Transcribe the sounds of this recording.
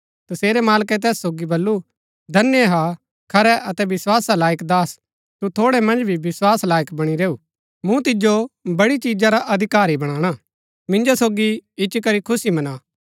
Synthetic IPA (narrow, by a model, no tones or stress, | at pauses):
t̪ɐseːɾɛmaːlkɛt̪̬ɛːsːoːɡibɐlːu | d̪ʱɐnjeɦa | kʰɐɾɛʔɐt̪ɛbɪswaːsalaːjəkd̪aːs | t̪ut̪ʰoːɽɛmɐ̃nd͡ʒbʱiʋɪswaːslaːjəkbɐɽ̃iɾeːuː | mũt̪ɪd͡ʒobɐɽit͡ʃiːd͡ʒaɾaʔɐd̪ʱɪkaːɾibɐɽ̃aːɽ̃a | mɪ̃nd͡ʒosoːɡiɪt͡ʃːkɐɾikʰʊsimɐnaː